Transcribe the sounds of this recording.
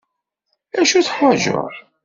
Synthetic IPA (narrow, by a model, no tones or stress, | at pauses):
æʃuθħaʒo̰ɾˤ